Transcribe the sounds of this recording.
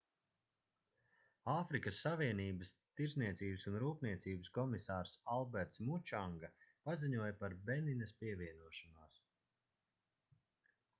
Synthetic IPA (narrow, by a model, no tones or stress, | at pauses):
aːfɾikəsːaviɛniːbəs | t̪iɾzniɛt̪siːbəsunɾuːpniɛt̪siːbəskɔmisaːɾsalˠbɛɾt̪smut͡ʃaŋɡapaziɲuɔjpaɾbɛninɐspiɛvʲiɛnuɔʃanaːs